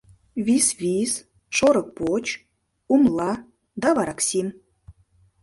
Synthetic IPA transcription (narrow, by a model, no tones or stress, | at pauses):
visvʲis | ʃoɾɤ̆k̚pot͡ɕ | umlˠɑ | d̪ɑβɑɾɑksʲim